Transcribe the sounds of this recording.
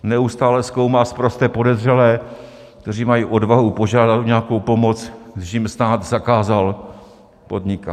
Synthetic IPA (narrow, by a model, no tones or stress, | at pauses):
nɛust̪aːlɛsko̞wmaːspɾost̪ɛːpo̞dɛzrɛlɛː | kt̪ɛriːmajiːʔo̞dvaɦupo̞ʒaːdat̪uɲɛako̞wpo̞mo̞t͡sɡdɪʃjɪmsnaːt̪zakaːzal | po̞dɲɪka